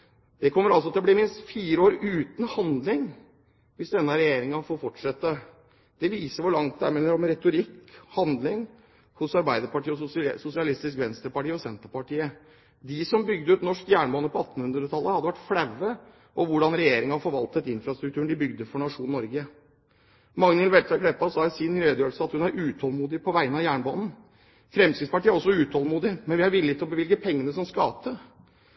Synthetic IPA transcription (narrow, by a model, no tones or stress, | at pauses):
d̪̥ɛkʰɔmːəɾɑlsɔt̪ʰd̪blɪɾmɪnst̪fiːɾəoːɾʉːt̪n̩hɑnd̪lɪŋ | ʋɪsd̪ɛnːɑɾɛjeːɾɪŋɑfoːɾfɔʈʂɛt̪ːə | d̪̥ɛʋiːsəɾʋʊɭɑŋt̪̚d̪ɛæ̰ɾmeːnəɾɔmɾɛt̪ʊɾɪkːhɑnd̪lɪŋ | hʊsɑɾbæɪd̪əɾpɑʈiːəɔsʊsɪɑlɪst̪ɪskʋɛnst̪ɾəpɑʈiːəɔsɛnt̪əɾpɑʈiːə | d̪ɪsɔmbʏɡ̚d̪əʉːt̪nɔʂkjæːɳmoːnəpɔɑt̪ːn̩hʉnd̪ɾət̪ʰɑlːəhɑd̪ːəʋæʈfɽɛʋːə | ʔɔʋʊɖɑnɾɛjeːɾɪŋɑɑfɔɾʋɑlt̪ət̪ɪnfɾɑst̪ɾʉkt̪ʰʉːəɳ̩ɖ̪ɪbʏɡd̪əfɔɳɑʂuːnnːɔɾɡə | mɑŋnɪlʋɛt̪ɑkʰɽɛpːɑsɑːɪsɪnɾøːd̪jøːlsəɑt̪hʉnæɾʉːt̪ʰhɔlmuːd̪ɪpʰɔʋæɪənɑjæːɳbonn̩ | fɾɛmsɪspɑʈiːəæɾɔsːɔʉːt̪ʰhɔlmuːd̪ɪmɛnʋɪhɑɾʋɪlːɪt̪ɪlɔbəʋɪlɡəpʰɛŋːənəsɔmskɑːt̪ə